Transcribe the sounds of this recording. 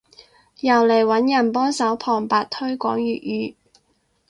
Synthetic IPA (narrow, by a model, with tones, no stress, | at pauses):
jɐ˨˩wle˨˩jwɐ˨˥njɐ˨˩npɔː˥sɐ˨˥wpʰɔː˨˩ŋpaː˨t̚t̪ʰɵ˥ɥkʷɔː˨˥ŋjyː˨t̚jyː˨˧